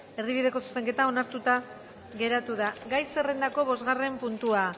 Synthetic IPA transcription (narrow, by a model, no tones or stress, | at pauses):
e̞ɾðiβ̞ið̞e̞ko̞su̥seŋke̞t̪ao̞naɾt̪ut̪a | ɣe̞ɾat̪uðaɡajse̞re̞nd̪ako̞β̞o̞zɣare̞mpunt̪ua